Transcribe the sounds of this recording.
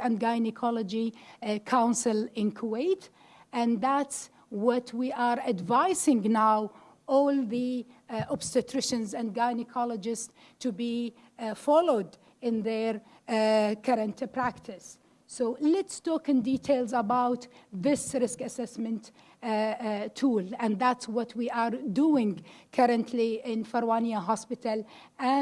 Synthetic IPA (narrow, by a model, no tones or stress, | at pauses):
ɨ̃nɡaɪnɪkʰɔləd͡ʒikʰãʊ̃nsɨlˠɪ̃nkʰəweɪt | ɨ̃nðæts | wʌtʰwiʔəɹɨdvaɪsɪ̃ŋnaʊ | ʔɔlˠðiʔɔbstɨtʰɹɪʃɨ̃nzæ̃nɡaɪnɪkʰɑləd͡ʒɪs | tʰːubi | fɔloʊd | ɪ̃nðəɹ | kʰʌɾɨ̃ntpʰɹæktʰɪsː | oʊlɛtstɔːkɨ̃ndiːtʰeɪlˠzəbaʊt̪ðɪsɾɪskɨsɛsmɨ̃nt | tʰːuːlæ̃nd̪ðætswʌtʰwiʔaɹduɪ̃ŋkʰʌɾɨ̃ntʰliɪ̃nfəɾwaniəɦɑspɪtəl | æ̃